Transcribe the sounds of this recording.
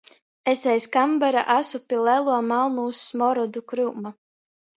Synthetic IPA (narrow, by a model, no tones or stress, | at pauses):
esɛjskambɛɾa̰ʔasupʲilɛlˠuɔmalˠnuːsmɔɾɔd̪ukɾuma